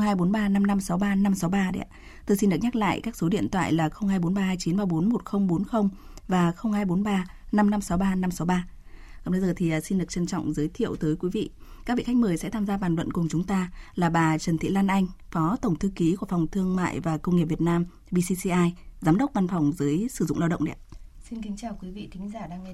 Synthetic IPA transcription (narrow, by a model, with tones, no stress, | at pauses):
ɦaː˧jɓo˨˦nɓaː˧na˧mna˧msa˨˦wɓaː˧na˧msa˨˦wɓaː˧ɗɛ̰˨˦˥ | t̪o˧js̬i˧nɗɨ˨˩ək̚ɲa˦˥k̚la̰ː˧˨jkaː˦˥k̚so˨˦ɗḭ˧˨ənt̪ʰwa̰ː˧˨jlaː˨˩xə˧wŋ͡mhaː˧jɓo˨˦nɓaː˧haː˧jt͡ɕi˨˦nɓaː˧˩ɓo˨˦nmo˨˩t̚xə˧wŋ͡mɓo˨˦nxə˧wŋ͡m | vaː˨˩xə˧wŋ͡mhaː˧jɓo˨˦nɓaː˧ | na˧mna˧msa˨˦wɓaː˧na˧msa˨˦wɓaː˧ | kɔ̰˧˨ŋ͡mɗə˨˦zəː˨˩t̪ʰi˨˩ʔəː˨˩si˧nɗɨ˨˩ət͡ɕə˧˩nt͡ɕɔ̰˧˨wŋ͡mzəː˨˦jt̪ʰḭ˧˨əwt̪əː˨˦jkwi˨˦vḭ˧˨kaː˦˥k̚vḭ˧˨˩xa˦˥j̟̚mɨː˨˩jsɛ̰˧˥t̪ʰaː˧mzaː˧ɓaː˨˩nlwə̰˧˨nkʊ˨˩ŋ͡mt͡ɕʊ˨˦ŋ͡mt̪aː˧laː˨˩ɓaː˨˩t͡ɕə˨˩nt̪ʰḭ˧˨laː˧nʔa˧jŋ̟fɔ˨˦t̪ə˧˩wŋ͡mt̪ʰɨ˧ki˨˦ku˧˩əfɔ˨˩wŋ͡mt̪ʰɨ˧əŋma̰ː˧˨jvaː˨˩kə˧wŋ͡mŋi˨˩p̚və˩t̚naː˧m | ɓi˧si˧si˧ʔaː˧jzaː˨˦mɗə˦˥k͡p̚va˧nfɔ˨˩wŋ͡mzəː˨˦jsɨ˧˩zʊ̰˧˨ŋ͡mlaː˧wɗə̰˧˨ŋ͡mɗ̰si˧nki˨˦ŋ̟t͡ɕaː˨˩wkwi˨˦vḭ˧˨t̪ï˨˦ŋ̟zaː˧˩ɗaː˧ŋɛ˧